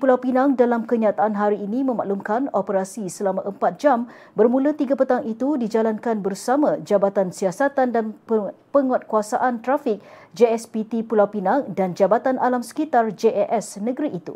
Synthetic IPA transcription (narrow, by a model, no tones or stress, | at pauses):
pulawpinaŋdalamkəɲat̪aʔanɦaɾiːnĩmə̃ma̰ʔlumkanopəɾasisəlamãʔəmpat̪̚d͡ʒam | bərmũlət̪iɡapət̪aŋʔit̪udid͡ʒalankanbərsamãd͡ʒabat̪ansiasat̪andanpəŋɔt̪̚kuasaʔant̪ɾafɪk̚d͡ʒeɛspit̪ipulawpinaŋdand͡ʒabat̪analamsə̥kit̪ard͡ʒeʔɛʔɛsnəɡəɾiʔːt̪ṵ